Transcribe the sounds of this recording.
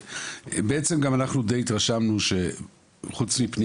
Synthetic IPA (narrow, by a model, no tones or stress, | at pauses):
beet͡se̞mɡamanaχnud̪ejit̪ʁaʃamnuʃe̞ | χut͡smipni